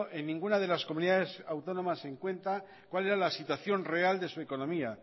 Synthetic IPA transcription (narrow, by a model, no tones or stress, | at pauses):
ʔenːĩŋɡunaðe̞laskomuniðaðe̞sawt̪o̞no̞mase̞ŋkwe̞nt̪a | kwale̞ɾalasit̪waθjo̞nre̞ald̪e̞sue̞ko̞nõ̞mia